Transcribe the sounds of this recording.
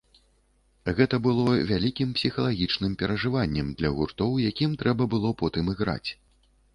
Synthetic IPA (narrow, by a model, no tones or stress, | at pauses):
ɣɛt̪ɐbɨlˠɔvʲalʲikʲimpsʲixɐlˠaɣʲit͡ʂnɨmpʲɛɾɐʐɨvanʲːɛmd̪lʲɐɣurt̪ɔwjakʲimt̪ɾɛbɐbɨlˠɔpɔt̪ɨmɨɣɾa̰t͡sʲ